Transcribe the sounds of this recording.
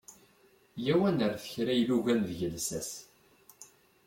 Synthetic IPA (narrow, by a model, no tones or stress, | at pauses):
jæwænəɾθəçɾæjluʝænðʝəlsæs